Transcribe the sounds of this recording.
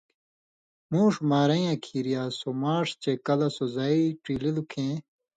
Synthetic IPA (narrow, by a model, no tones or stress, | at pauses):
mũːʂmaːɾɐj̃ãkʰiːɾijaːsomaːʂt͡ɕekɐlɐsozaːiʈiːlilukʰẽː